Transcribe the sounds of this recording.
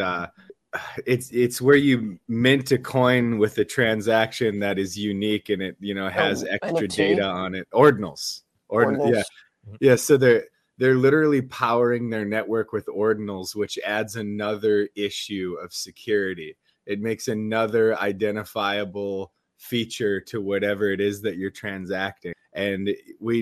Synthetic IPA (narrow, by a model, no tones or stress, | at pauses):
ʌ | ɪtsɪtswə˞jɨmɛ̃ntʰɨkʰɔ̃ɪ̃nwɪðɨtʰɹ̥æ̃nzækʃɨ̃nðɨɾɨzjʉnikɨ̃nɪt̚jɨñoʊɨzɛkstɹ̥ɨdeɪɾəə̃nɪt̚ɔɹdⁿn̩l̩ˠz̥ | ʔɔɹjæ | jæsoʊðə˞ | ðə˞lɪɾə˞l̩ˠipʰaʊə˞ɪ̃ŋðə˞nɛʔwə˞kwɨðɔɹdⁿn̩l̩ˠzwɨt͡ʃædzɨnʌðə˞ɪʃʉʌv̥sɨkʰj̥ʊɹɨɾi | ɨt̚meɪksɨnʌðə˞a̰ɪdɛ̃ɾ̃ɨfaɪɨbl̩ˠ | fit͡ʃə˞ɾɨwʌɾɛvə˞ɨɾɪzðɨt͡ʃə˞tʰɹ̥æ̃nzæk̚tɪ̃ʔɨ̃nwi